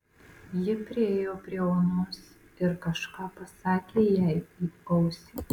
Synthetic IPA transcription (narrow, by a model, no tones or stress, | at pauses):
jɪpʲɾʲɪeːjoːpʲɾʲiɛoːnʊs | ɪɾkɐʃkɑːpɐsɑːkʲeːjæɪiːkɔʊsʲɪː